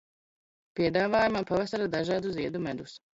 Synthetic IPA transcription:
piɛd̪aːvaːjumapavasaɾad̪aʒaːd̪uziɛd̪umɛd̪us

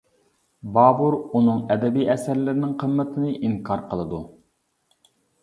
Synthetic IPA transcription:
bɑːbuɾunɨŋɛd̪ɛbijʔɛsæɾlɪɾɪnɪŋqʰəmːət̪ʰɨnɨʔiŋkʰɑɾqʰəlˠɨd̪u

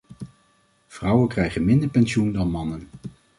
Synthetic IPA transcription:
v̥rʌwənkrɛjχənmɪndəɹpɛnʃundɑnmɑnən

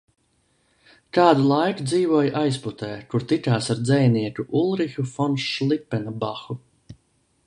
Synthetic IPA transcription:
kaːd̪ulˠajkud̪ziːvuɔjʔajsput̪ɛːkuɾt̪ik̪aːsaɾd̪zɛjniɛkuʔulˠɾixufɔnʃʃlˠipːɛnabaxu

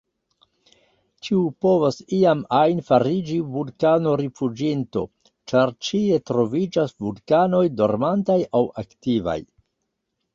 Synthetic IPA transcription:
t͡ʃiupo̞vasiamajnfaɾid͡ʒivulkano̞ɾifud͡ʒinto̞̰ | t͡ʃaɾt͡ʃie̞tɾo̞vid͡ʒasvulkano̞jdo̞̰ɾmantajawaktiva̰j

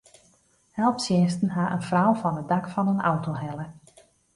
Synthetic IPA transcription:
hɛlˠpsjɪstən̩ɦaʔənfrɔwfɔnədakfɔnənawtoɦɛlˠə

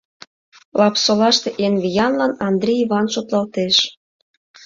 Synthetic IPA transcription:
lɑpsolɑʃt̪eʔenβijɑnlɑnɑnd̪ɾʲiiβɑnʃot̪lɑlt̪eʃ

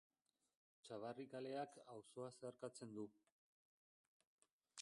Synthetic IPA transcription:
t͡ʃaβarikale̞akawso̞ase̞aɾkat͡se̞nd̪u

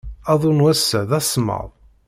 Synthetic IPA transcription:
ɑðˤunwæsːəðæsˤmə̰ðˤ

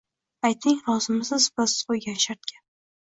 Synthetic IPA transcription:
ajt̪nɪŋɾɒzɪmɪsɪzbasɪz̥qojɡʲanʃaɾt̪kʲʰan

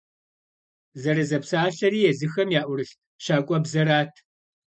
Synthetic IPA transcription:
zɐɾɐzɐpsaːɬɐɾiːjɛzɨxɐmjaːʔʷʊrɨɬ | ɕaːkʷʼɔbzɐɾaːtʰ

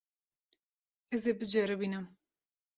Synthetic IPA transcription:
ɛzebɨd͡ʒɛɾɨbiːnɨm

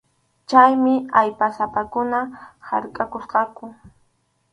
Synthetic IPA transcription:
t͡ʃajmɪajpasapakʊnaha̰ɾkʼakosqɑkʊ

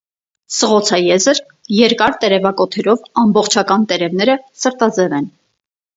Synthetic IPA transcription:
səʁɔt͡sʰɑjɛzəɾ | jɛɾkɑɾt̪ɛɾɛvɑkɔt̪ʰɛɾɔvɑmbɔχt͡ʃʰɑkɑnt̪ɛɾɛvn̪ɛɾəsəɾt̪ɑd͡zɛvɛn

